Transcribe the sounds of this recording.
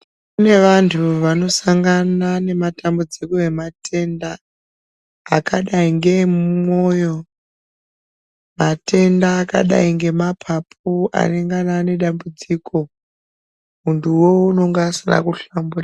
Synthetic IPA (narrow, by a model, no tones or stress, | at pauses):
kune̞ʋantʰuʋano̞saŋɡanane̞matambud͡ziko̞e̞matʰe̞nda | kaɗaiŋɡe̞mmo̞jo̞ | mate̞ndaːka̰ɗa̰iŋɡe̞mapʰap̚ʰua̰neŋɡanane̞ɗambud͡ziːko̞ | muntʰuwo̞uno̞ŋɡaːsina̰kuɬambura